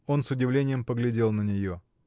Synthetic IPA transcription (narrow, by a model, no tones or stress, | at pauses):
o̞nsʊdʲɪvlʲenʲɪjəmpəɡlʲɪdʲe̞lˠnənʲɪjo̞